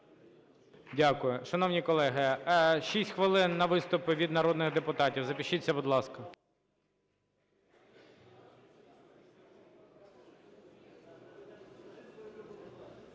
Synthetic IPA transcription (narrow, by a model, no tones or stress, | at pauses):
dʲakʊjʊʃɐnɔwnʲikɔlˠɛɦɪʃisʲtʲxʋɐlˠɪnːɐʋɪst̪ʊpʊʋʲid̪nɐɾɔd̪nɪɣd̪epʊt̪ɑtʲiwzɐpʲiʃit͡sʲːɐbʊd̪lˠɑskɐ